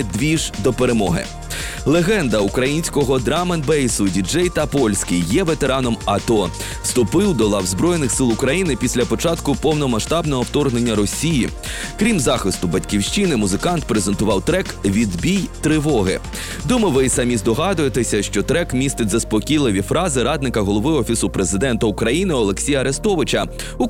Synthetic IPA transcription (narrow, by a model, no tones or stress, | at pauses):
d̪ʋʲiʒd̪ɔpeɾemɔ̰ɦɪ̰ | lˠeɣɛnd̪ɐukɾɐjinʲsʲkɔɦɔd̪ɾɑmɐnbɛjsʊdʲid͡ʒɛjt̪ɐpɔlʲsʲkʲijːɛʋet̪e̞ɾɑnɔmɐt̪ɔ | st̪ʊpɪwd̪ɔlˠɐwzbɾɔjenɪxsɪlˠʊkɾɐjinɪpʲisʲlʲɐpɔt͡ʃɑt̪kʊpɔwnɔmɐʃt̪ɑbnɔɦɔwt̪ɔrɦnenʲːɐɾɔsʲiji | kɾʲimzɑxɪst̪ʊbɐtʲkʲiwʃt͡ʃɪnɪmʊzɪkɑnt̪pɾezent̪ʊʋɑwt̪ɾɛkʋʲid̪bʲijt̪ɾɪʋɔɦɪ̰ | d̪umɐʋɪsɐmʲizd̪ɔɦɑd̪ʊjet̪esʲɐʃt͡ʃɔt̪ɾɛkmʲist̪ɪtʲzɐspɔkʲijlˠɪʋʲifɾɑzɪɾɑd̪nɪkɐɦɔlˠɔʋɪɔfʲisʊpɾezɪd̪ɛnt̪ɐukɾɐjinɪɔlˠe̞ksʲijɐɐɾest̪ɔʋɪt͡ʃɐ | u